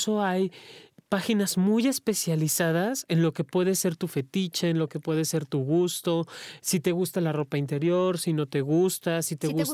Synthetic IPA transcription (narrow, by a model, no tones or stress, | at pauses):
so̞ajpaxinazmuje̞spe̞sjalisað̞ase̞nlo̞ke̞pwe̞ðe̞se̞ɾt̪ufe̞t̪it͡ʃaenlo̞ke̞pwe̞ð̞e̞se̞ɾt̪uɣust̪o̞sit̪e̞ɣust̪alaro̞paint̪e̞ɾjo̞ɾsino̞t̪e̞ɣust̪asit̪eɣ